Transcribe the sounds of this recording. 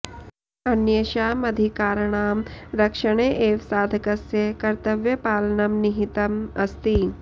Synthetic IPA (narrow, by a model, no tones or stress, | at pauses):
ɐnjɐʃaːmɐd̪ʱikaːɾɳaːmɾɐkʃəɽ̃eːʔeːʋsaːd̪ʱɐkɐsjekɐɾt̪ɐʋjɐpaːlɐnɐmnɪɦit̪ɐmɐst̪i